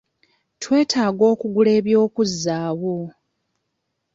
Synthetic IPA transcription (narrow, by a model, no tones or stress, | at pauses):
twe̞ːtʰaːɡo̞ːkuɡule̞ːβjo̞ːkuzːaːwo